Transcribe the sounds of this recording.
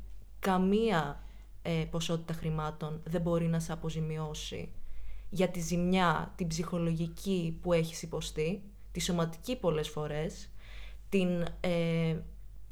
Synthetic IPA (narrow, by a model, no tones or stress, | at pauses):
kɐmiɐ | epo̞so̞t̪it̪ɐxɾimɐt̪o̞nðe̞bo̞ɾinɐseɐpo̞zimio̞sḭʝɐt̪izimɲɐt̪ibzixo̞lo̞ʝicipue̞çi̥sipo̞st̪i | t̪iso̞mɐt̪i̥cipo̞le̞sfo̞ɾe̞s | t̪ine